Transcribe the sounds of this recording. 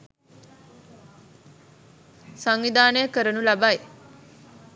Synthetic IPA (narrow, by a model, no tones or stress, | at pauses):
saŋʋid̪aːnəjəkəɾənulabaj